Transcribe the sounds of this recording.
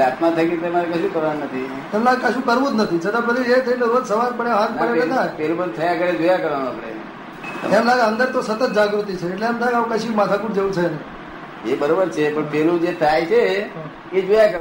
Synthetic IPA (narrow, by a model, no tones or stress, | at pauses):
at̪mat̪ʰəkit̪emaɾekəʃũkəɾaɾnət̪ʰiemlaɡekəʃũkəɾʋũd͡ʒnət̪ʰit͡ʃʰət̪apɾəd̪iet̪ʰəieɾod̪səʋaɾpəɳeɦãɾpəɽeenapɛlũbət̪ʰəjaakəɾed͡ʒojakəɾʋanõapəɽḛ | ə̰emlaɡeə̃nd̪əɾt̪osət̪ət̪̚d͡ʒaɡɾut̪it͡ʃʰeːʈleemt̪ʰaaũkəʃimat̪ʰakuʈd͡ʒeʋũt͡ʃʰene | ebəɾobəɾt͡ʃʰepəɳpɛlũd͡ʒet̪ʰajt͡ʃʰeɦ | ed͡ʒojakə